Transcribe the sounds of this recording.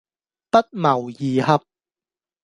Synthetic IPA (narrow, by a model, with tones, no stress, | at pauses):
pɐ˥t̚mɐ˨˩wjiː˨˩hɐ˨p̚